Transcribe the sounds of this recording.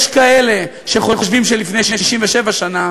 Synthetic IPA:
ʃkaele̞ | ʃeχoχoʃvimʃelifnejʃejiʃimveʃevaʃana

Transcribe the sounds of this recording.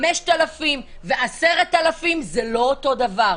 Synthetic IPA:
meʃtalafim | veʔaseʁet̪alafimzelo̞oto̞d̪avaʁ

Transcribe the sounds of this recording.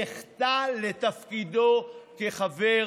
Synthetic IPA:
eχt̪alet̪afkid̪okeχave

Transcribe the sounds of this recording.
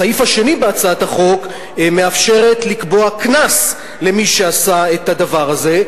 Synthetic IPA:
aifhaʃe̞nibeat͡saat̪haχo̞k | me̞afʃe̞ʁe̞tlikbo̞aknas | le̞miʃe̞asaet̪adavaʁaze̞

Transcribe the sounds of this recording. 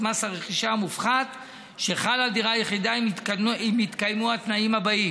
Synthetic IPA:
masaʁeχiʃamufχat̪ | ʃeχalad̪iʁajeχid̪aimtimit̪kajmuat̪naimhabai

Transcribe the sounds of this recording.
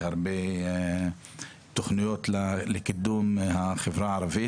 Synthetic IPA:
haɾbe | t̪oχnijot̪llekid̪umhaχevɾaʕaɾˤavi

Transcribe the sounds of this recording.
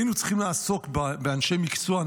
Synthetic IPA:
jnut͡sχimleasokbbeanʃejmikt͡suan

